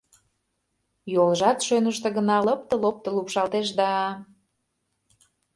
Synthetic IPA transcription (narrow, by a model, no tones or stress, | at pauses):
jolˠʒɑt̪ʃønəʃt̪ə̆ɣə̆nɑlɤp̚t̪əlop̚t̪ə̆lupʃɑlˠt̪eʃ̬d̪ɑ